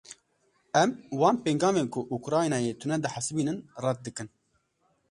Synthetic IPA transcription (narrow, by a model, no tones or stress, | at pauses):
ɛmwɑːnpeŋɡɑːmeːnkʰʊʔukɾɑːjnɑːjet̪ʰunɛd̪ɨħasɨbiːnɨnrɑt̪̚d̪ɨkɨn